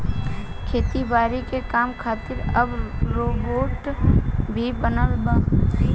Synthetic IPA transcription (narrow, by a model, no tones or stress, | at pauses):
kʰeːt̪ibaːɾikekaːmkʰaːt̪ɪɾəbɾoːboːʈ | bʱibənəlba